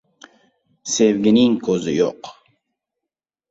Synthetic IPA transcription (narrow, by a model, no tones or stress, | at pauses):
sevɡʲiniŋkʰozijo̰q